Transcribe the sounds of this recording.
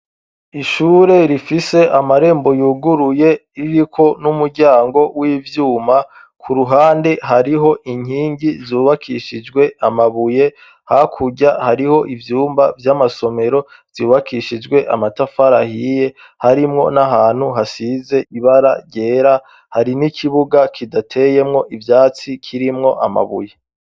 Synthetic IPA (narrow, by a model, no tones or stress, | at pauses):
iʃuːɾe̞ɾifise̞ʔamaɾe̞ːmbo̞juːɡuɾuje̞iɾikʰo̞numuɾɟaːŋɡo̞wiːvjuːma | kʰuɾuɦaːnde̞ɦaɾiɦo̞ʔiɲhiːŋɟizuːβakʰiʃid͡ʒɡwe̞ʔamaβuje̞ | hakʰuɟahaɾiho̞ʔivjuːmbavjamaso̞me̞ɾo̞ | z̥uːβakʰiʃid͡ʒɡwe̞ʔa̰matafaɾahije̞ | haɾimŋo̞̰naɦaːn̥huɦasize̞ʔiβaɾa̰ɡɟe̞ːɾa | haɾinikʰiβuɡakʰidatʰe̞je̞mŋo̞ʔivjaːt͡sikʰiɾimŋo̞ʔa̰ma̰βṵje̞